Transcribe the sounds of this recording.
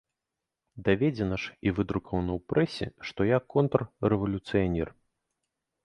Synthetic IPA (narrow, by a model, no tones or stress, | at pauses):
d̪avʲɛd͡zʲɛnɐʂivɨd̪ɾukɔvɐnɐwpɾɛsʲɛ̰ʂt̪ɔjakɔnt̪ɐrːɛvɐlʲut̪sɨjanʲɛr